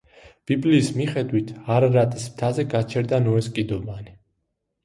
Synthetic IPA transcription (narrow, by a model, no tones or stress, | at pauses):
b̥ibliːsmiχɛd̪wit̪ʰaɾɾat̪ʼismt̪ʰazɛɡat͡ʃʰɛɾd̪anɔɛskʼid̪ɔbani